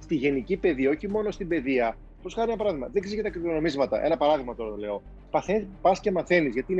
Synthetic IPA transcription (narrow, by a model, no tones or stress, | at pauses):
st̪iʝe̞nicipe̞ðiɐo̞çimo̞no̞st̪imbe̞ðiɐ | poskɐɾienɐpɐɾɐðiɣmɐ̰ðiksizʝɐt̪ɐkɾiɾonomizmɐt̪ɐ̰ʔe̞nɐpɐɾɐðiɣmɐt̪o̞ɾɐt̪ole̞o | pɐθepɐsce̞mɐθe̞nizʝɐt̪iːn